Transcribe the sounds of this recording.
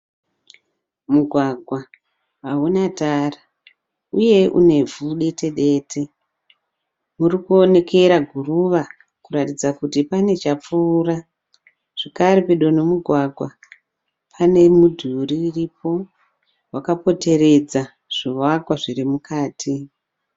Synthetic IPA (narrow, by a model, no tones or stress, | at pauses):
muɡʱwaɡʱwa | aɦunatara | uje̞ʔṵne̞vuɗe̞te̞ɗe̞ːtʰe | murikuo̞ne̞ke̞ɾaɡʱuruʋa | kuɾatid͡zakutipane̞t͡ʃap͡fuːra | ʐ̥ekaɾepeɗo̞no̞muɡʱwaɡʱwa | pʰane̞mudʱuriːripo̞ | wakapo̞te̞re̞d͡za | ʐ̥iwakwaʐirimukaːtʰi